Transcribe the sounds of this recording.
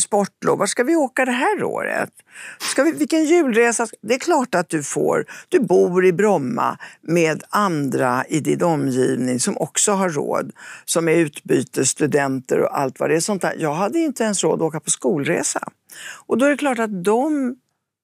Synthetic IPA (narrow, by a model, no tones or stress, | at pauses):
spɔʈːlo̰ːvvaʂkavɪoːkad̪ɛɦæːɾo̰ːɾə̰t̪ | skavɪvɪkːənjʉ̟ːlɾeːsad̪ɛːɾkʰlɑːʈat̪̚d̪ɵfo̰ːɾd̪̥ɵbuːɾɪbɾɔmːa̰meːd̪and̪ɾaɪd̪ɪnɔmːjiːvnɪŋsɔmʔɔksɔɦaɾo̰ːd̪sɔmɛɾʉ̟ːt̪byːt̪əʂt̪ɵd̪ɛnt̪ə̰ɾɔ̰ʔa̰lt̪va̰dɛːʂɔnt̪ʰæ̰ːjɑːɡɦad̪ːəjʏɪnt̪əɛnsɾoːd̪ɔoːkapʰɔskuːlɾḛːsa̰ | ʔɔd̪ɔɛɾɛkʰlɑːʈat̪̚d̪ɔm